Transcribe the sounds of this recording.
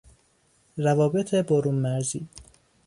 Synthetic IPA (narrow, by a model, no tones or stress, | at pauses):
rævɒːbe̞t̪ʰeboɾuːnmæɾziː